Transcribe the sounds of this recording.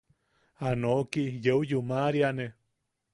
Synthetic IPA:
anokijeujumaɾiane

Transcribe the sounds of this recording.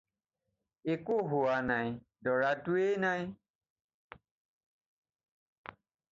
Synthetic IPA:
ekoɦoanãĩ | dɔɾatuenãĩ

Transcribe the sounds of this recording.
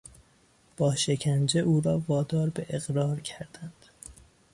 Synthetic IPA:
b̥ɒːʃe̞cʰænd͡ʒeʔuːɾɒːvɒːd̪ɒːɾbeʔeɣɾɒːɾcʰæɾd̪̥ænd̪̥

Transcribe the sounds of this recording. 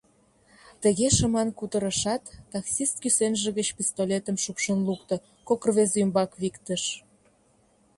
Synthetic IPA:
t̪ə̆ɣeʃəmɑnkud̪əɾəʃɑt̪ːɑksist̪̚kysenʒĕɣət͡ɕpʲist̪olʲet̪əmʃupʃənlukt̪ə̆ | kokərβezymbɑkβikt̪əʃ

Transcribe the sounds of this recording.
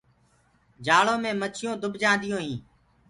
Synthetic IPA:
d͡ʒaːɭõːmẽːmət͡ʃʰɪjõːd̪ʊbʱd͡ʒãːnd̪ɪjõːɦĩː

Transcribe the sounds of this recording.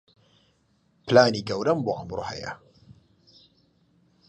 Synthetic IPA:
plaːniːɡɐwɾɐmboːʔɐmɾo̰hɐ̰jɐ̰

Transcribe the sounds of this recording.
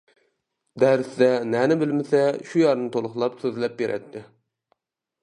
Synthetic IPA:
d̪æɾsd̪ɛnænɪbɪlmɪsɛʃujɑɾnɨt̪ʰolˠʊχlˠɑpsøzlɛp̚beɾʔɛ̰t̪ʰːɪ

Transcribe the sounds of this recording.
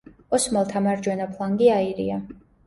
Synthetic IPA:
ɔsmalˠt̪ʰamaɾd͡ʒwɛnapʰlˠaŋɡiaiɾḭa

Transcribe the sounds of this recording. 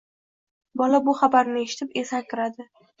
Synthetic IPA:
bɒlabʊχabaɾnɪe̞ʃɪ̥t̪ʰɪpe̞sakʲɪɾad̪ɪ

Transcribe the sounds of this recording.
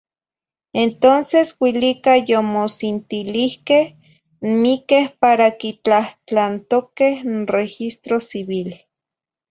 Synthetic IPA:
ent̪onseswilikajomosint̪ilihkeh | mikehpaɾakit͡ɬaht͡ɬant̪okehrexist̪ɾosiβil

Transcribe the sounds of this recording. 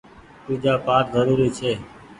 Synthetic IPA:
t̪uːd͡ʒaːpaːʈzəɾuːɾiːt͡ʃʰeː

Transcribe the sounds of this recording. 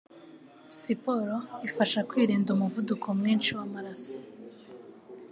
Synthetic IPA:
sipo̞ɾoifaʃakwiːɾiːndumuvudukʰomŋiːnʃiwamaɾaso̥

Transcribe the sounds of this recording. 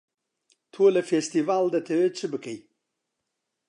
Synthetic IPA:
t̪ʰolafest̪ivɑld̪ət̪ʰewet͡səbəkəj

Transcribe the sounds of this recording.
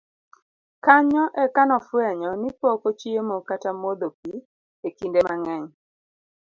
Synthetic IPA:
kaɲɔʔɛkanɔfwɛɲɔnipɔkot͡ʃiemokatamod̪op̚i | ekindemaŋɛɲ

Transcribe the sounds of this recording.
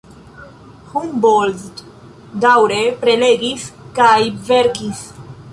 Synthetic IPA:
humbolzt | d̪awɾepɾeleɡiskajveɾkis

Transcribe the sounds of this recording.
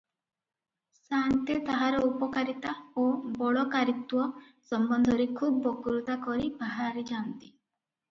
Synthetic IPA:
sant̪et̪aɦaɾɔupɔkaɾit̪aobɔɭɔkaɾit̪uɔ | sɔmbɔnd̪ʱɔɾikʰubːɔkuɾut̪akɔɾibaɦaɾid͡ʒant̪i̥

